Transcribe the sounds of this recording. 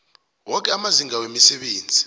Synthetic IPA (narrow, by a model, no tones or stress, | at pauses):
wɔk̬ʼɛamaziŋawemisɛɓeːnd͡zʱi